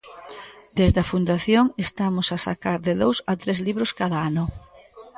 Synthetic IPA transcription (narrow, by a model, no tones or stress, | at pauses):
d̪ezðɐfund̪aθjoŋest̪amʊsasa̰kaɾðeðowsat̪ɾezliβɾʊskaðaanʊ